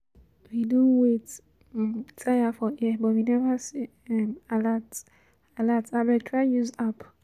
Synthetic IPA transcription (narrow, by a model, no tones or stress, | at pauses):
widũwet | tʰajafɔʔibɔtwinɛvəsi | ɛmalat | alatabɛtʰɹaɪjuzap